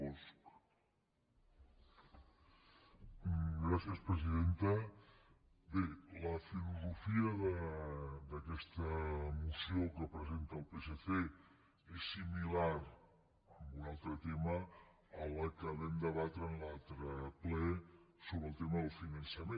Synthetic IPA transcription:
ɔsk | ɡɾasjəspɾəziðent̪ə | beləfiluzufiəðə | d̪əkɛst̪əmusijokəpɾəzent̪əːlˠpeseθe | esːimilaɾ | əmbunalˠt̪ɾət̪eməː | ləkəβɛnd̪əβat̪ɾənlalˠt̪ɾəplɛsoβɾəːlˠt̪eməðəlˠfinɐnsəmẽ

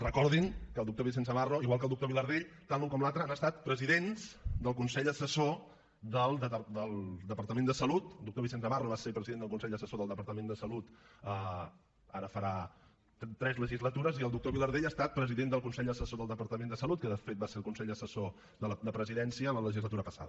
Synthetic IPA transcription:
rəkɔɾðiŋkəlˠd̪uk̚t̪oβis̬ensəβaroiɣwalˠk̬əlˠd̪uk̚t̪oβiləɾð̞eʎt̪anlːuŋkɔmlalˠt̪ɾəanəst̪at̪pɾəziðenzd̪əlˠkunsɛʎd̪əsəso | ðəlˠd̪əd̪əlˠd̪əpəɾt̪əmend̪əsəlut̪d̪uk̚t̪oβisensəβaroβasepɾəziðenəlˠkunsɛʎd̪əsəsoðəlˠd̪əpəɾt̪əmend̪əsəlut̪ə | a̰ɾəfəɾa | t̪ɾɛzləʒizlət̪uɾəziəlˠd̪uk̚t̪oβiləɾðeʎast̪at̪̚pɾəziðend̪əlˠkunsɛʎd̪əsəsoðəlˠd̪əpəɾt̪əmend̪əsəlut̪̚kəðəfet̪̚baseɾəlˠkunsɛʎd̪əsəso | ðələd̪əpɾəziðɛnsiələləʒizlət̪uɾəpəsa̰ðə

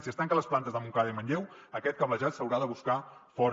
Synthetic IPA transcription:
siəst̪aŋkələsplant̪əzðəmuŋkaðəiməɲʎɛwəkɛt̪̚kəβəʒat̪səwɾaðəβuskafɔɾ

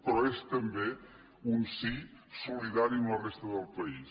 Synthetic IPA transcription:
pɾɔest̪əmbe | unsisuliðaɾiəmlərest̪əðəlˠpəis

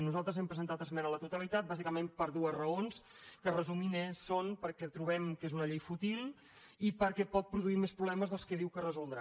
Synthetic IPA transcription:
nuzalˠt̪ɾəzɛmpɾəzənt̪at̪əzmɛnələt̪ut̪əlit̪at̪̚bazikəmempəɾðuəzrəons | kərəzuminesonpəɾkɛt̪ɾuβɛmkezunəʎejfut̪ilˠ | ipəɾkɛpɔt̪̚pɾuðuimespɾuβlɛməzðəlˠskɛð̞iwkərəzulˠd̪ɾa

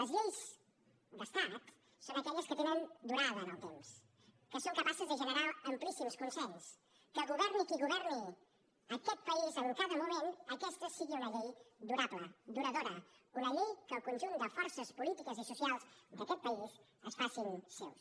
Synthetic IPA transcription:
ləzʎejz | d̪əst̪at̪ | sonəkɛʎəskət̪enənd̪uɾaðənəlˠt̪ems | kəsoŋkəpasəzðəʒənəɾaəmplisimskunsɛʎs | kəlɣuβɛɾnikiɣuβɛɾni | əkɛt̪̚pəizəlkaðəmumenəkɛst̪əsiɣiunəʎejd̪uɾapləd̪uɾəðoɾəunəʎejkəːlˠkunʲʒund̪əfɔɾsəspulit̪ikəzisusialˠzd̪əkɛt̪̚pəiz | əsfasinsɛ̰ws

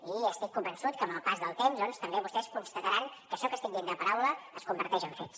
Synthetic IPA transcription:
iəst̪ikːumbənsut̪̚kəːmbəlˠpazðəlˠt̪emzðɔnst̪əmbeβust̪ɛskunst̪ət̪əɾaŋkəʃɔkəst̪iŋd̪end̪əpəɾawləəskumbəɾt̪ɛʒəɱfets

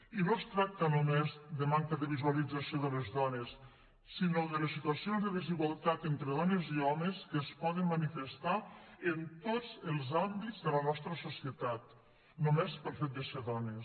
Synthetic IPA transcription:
inost̪ɾak̚t̪ənumezðəmaŋkəðəβizualid͡zasioðələzðɔnəsː | inoðələsit̪uɐsionzðəðiziɣwalˠt̪at̪ent̪ɾəðɔnəziɔməskəːspɔðəmmːənifəst̪aənt̪od͡zəlˠzambidzðələnɔst̪ɾəsusiət̪at̪̚ | numespəlˠfet̪̚d̪əseɾðɔnəs

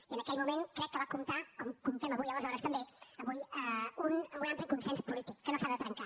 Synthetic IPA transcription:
iənəkɛlmumeŋkɾɛkːəβakumt̪akɔmkɔɱfɛməβujələzɔɾəst̪əmbeəβujəununamplikunsɛnspulit̪ikːənosaldət̪ɾəŋka

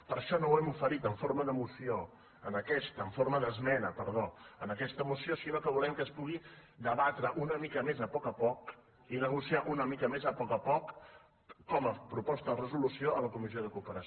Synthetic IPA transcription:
pəɾʃɔnowɛmufəɾit̪əɱfoɾməðəmusio | ənəkɛst̪əːɱfoɾməðəzmɛnəpəɾð̞oənəkɛst̪əmusiosinokəβulɛmkəspuɣi | d̪əβat̪ɾəʔunəmikəmezəpɔkəpɔk | inəɣ̞usiaʔunəmikəmezəpɔkəpɔkː | ɔməpɾupɔst̪əðərəzulusioələkumizjoð̞əkupəɾə

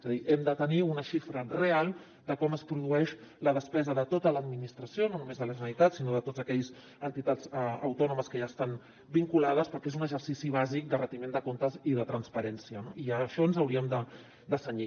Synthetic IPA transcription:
ezaðiʔɛmd̪ət̪əniunəʃifɾərealˠ | d̪əkɔməspɾuðuɛʃləðəspɛzəðət̪ot̪ələːd̪minist̪ɾəsiononumezðələʒənənit̪atsinoðət̪otzəkɛʎz | ənt̪it̪ad͡zəəwt̪ɔnuməskəʒast̪an | biŋkulaðəspəɾkezunəʒəɾsisiβazik̚d̪ərət̪imend̪əkont̪əziðət̪ɾənspəɾɛnsiənoiəʃɔnzəwɾiəmd̪ə | d̪əsəɲi

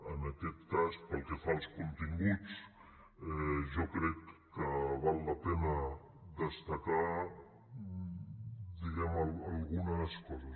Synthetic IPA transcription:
ənəkɛt̪ːaspəlˠkefalˠskunt̪iŋɡut͡s | ɛʒɔkɾɛkː | əβalˠːəpɛnə | d̪əst̪əka | d̪iɣɛmələlˠɣunəskɔzəs

